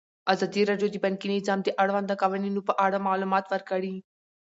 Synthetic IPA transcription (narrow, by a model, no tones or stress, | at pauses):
azaːd̪iɾaːɖjod̪ibɐnkinizaːmd̪eʔɐɽʋãːnd̪akaʋəninũpɐʔaːɽamaːlumaːt̪ʋɐɾkɐɽiː